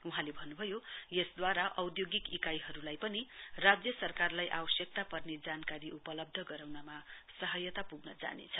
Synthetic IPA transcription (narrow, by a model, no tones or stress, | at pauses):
uɦãlebʱʌnːubʱʌjojesd̪waɾaʔʌwd̪joɡikikajɦʌɾulajpʌnirad͡zjʌsʌrkarlajʔa̰bʌsjʌk̚t̪apʌrned͡zankaɾiʔupʌlʌb̚d̪ʱʌɡʌɾawnamasʌɦʌjʌt̪apuɡnʌd͡za̰nḛt͡sʰʌ